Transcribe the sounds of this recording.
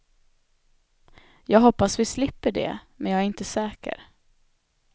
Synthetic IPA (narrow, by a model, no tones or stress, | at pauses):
jɑːɡɦɔpːasvɪslɪpːəɖɛ̰mɛnjɑːɡæɾɪnt̪əsɛːkə̰ɾ